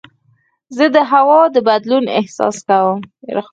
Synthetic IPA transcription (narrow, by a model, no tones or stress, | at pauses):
zəd̪əɦawɑd̪əbad̪lunɪ̰hsɑ̰skawəm̰ɾə